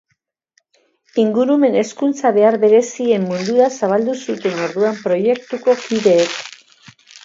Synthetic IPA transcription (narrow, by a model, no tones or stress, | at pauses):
iŋɡuɾume̞ne̞skunt͡saβe̞aɾβe̞ɾe̞sie̞mːund̪uɾasaβ̞ald̪usut̪e̞no̞ɾðuampɾo̞je̞k̚t̪uko̞kiðe̞ːk